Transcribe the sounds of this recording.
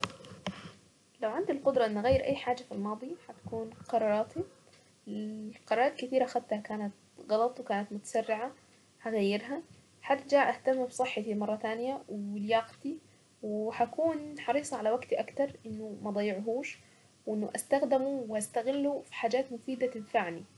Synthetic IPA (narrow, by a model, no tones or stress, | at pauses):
lawʕand̪ilqʊd̪ɾˤɑʔɪnːʔaɣajːɪɾʔa̰jːħaːd͡ʒːafilmɑːd̪ˤiħat̪kuːnqɑɾˤɑːɾˤɑːt̪i | qɑɾˤɑːɾˤɑːt̪kɪt̪iːɾaʔxad̪t̪hakaːnat̪̚ | ɣɑlɑt̪ˤwkaːnat̪mʊt̪ḁsarːɪʕa | ħaɣajːɪɾɦa | ħat̪d͡ʒaːʔaht̪amːbsˤɨħːɑt̪imɑrˤːɑt̪aːnjawljɑːqt̪i | wɪħakuːnħɑɾiːsˤɑʕalawaɡt̪iʔakt̪ɑɾˤʔɪnːumaʔd̪ˤɑjːɪʕɦuːʃ | wʔɪnːʊʔast̪axd̪ɪmuwɪʔast̪aɣɪlːufi̥ħaːd͡ʒaːt̪mʊfiːd̪at̪ɪd̪faʕni